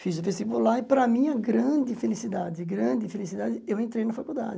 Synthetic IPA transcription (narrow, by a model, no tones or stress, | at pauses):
fizʊvest̪ipulaɪpɾɐmĩɐɡɾɐ̃d͡ʒɪfelisid̪ad͡ʒɪɡɾɐ̃d͡ʒɪfelisid̪ad͡ʒɪewẽnt̪ɾejnɐfakud̪a̰d͡ʒɪ